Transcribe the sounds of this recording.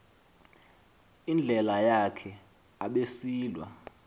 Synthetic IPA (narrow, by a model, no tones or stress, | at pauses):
ind͡ɮʱɛlajakʰɛ | aɓesiːlwa̰